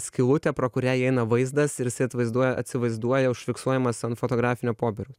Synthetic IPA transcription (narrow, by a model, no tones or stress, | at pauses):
sʲkʲɪlˠʊt̪ʲɛpɾoːkʊɾʲæːjɛɪnɐʋɐɪzd̪ɐsɪɾjɪsɐɪɐt̪ʋɐɪzd̪uɔjɛɐ̰t̪ʲsʲɪʋɐɪzd̪uɔjɛʊʃʲfʲɪksuɔjɛmɐsɐntfot̪oːɡɾɑːfʲɪnʲɛpoːbʲɛɾʲʊs